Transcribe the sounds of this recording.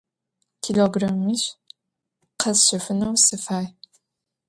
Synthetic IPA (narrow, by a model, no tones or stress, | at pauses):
tʰiɮoɡramiɕ | qʰɐzɕɪfɨnɐwsɨfaːj